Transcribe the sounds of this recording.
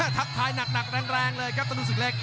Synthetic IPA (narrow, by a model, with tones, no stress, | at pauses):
a˧˥˩t̪ʰa˦˥p̚t̪ʰaː˧jna˨˩k̚na˨˩k̚ɾɛː˧ŋɾɛː˧ŋlɤː˧jkɔː˥˩t̪a˧ɾu˦˥s̬ɯ˨˩k̚leː˥˩k̚